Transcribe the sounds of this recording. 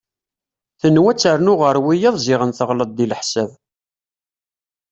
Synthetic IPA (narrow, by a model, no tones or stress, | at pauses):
θənːwæt͡sːəɾnʊʁəɾwijɑðˤzɪʁənθəʁləd̪̚ˤd̪iləħsæv